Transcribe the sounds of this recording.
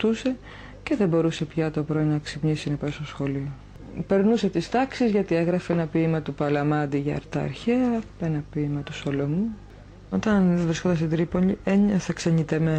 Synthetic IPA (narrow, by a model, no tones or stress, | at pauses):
t̪use̞ | ce̞ðe̞bo̞ɾuse̞pçɐt̪o̞pɾo̞inɐksipɲisinɐpɐsosxo̞lio | pe̞ɾnuse̞t̪ist̪ɐksizʝɐt̪ieɣɾɐfeenɐpiːmɐt̪upɐlɐmɐd̪iʝɐɐ̰ɾt̪ɐɐ̰ɾçeɐenɐpiːmɐt̪uso̞lo̞mu | o̞t̪ɐnvɾiskod̪ɐst̪id̪ɾipo̞ʎieɲɐθɐkseɲit̪eme